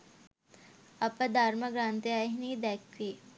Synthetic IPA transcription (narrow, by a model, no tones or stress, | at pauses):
ɐpɐd̪ʱaːɾmɐɡɾãːnt̪iajɦnid̪ɛːkʋi